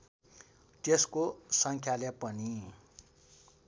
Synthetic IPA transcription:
t̪eskosʌŋkʰjalepʌni

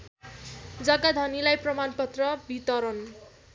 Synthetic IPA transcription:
d͡zʌɡad̪ʱʌnilajprʌmanpʌt̪rʌbit̪ʌɾʌn

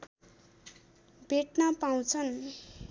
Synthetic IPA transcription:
bʱeʈnapaw̃t͡sʰʌn

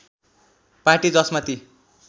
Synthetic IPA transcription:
paʈid͡zʌsmat̪i

